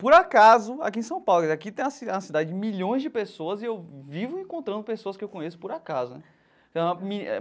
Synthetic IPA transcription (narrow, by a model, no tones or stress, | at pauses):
poɾakazʊa̰kiẽsɐ̃w̃pawlʊɡizeakit̪ẽj̃ɐsɐsid̪ad͡ʒɪd͡ʒɪmiʎõj̃zd͡ʒɪpesoɐzɪewvivʊẽkõnt̪ɾɐ̃nd̪ʊpesoɐskɪewkõɲesʊ̥poɾakazʊnɛ̃ | ɐmiɛ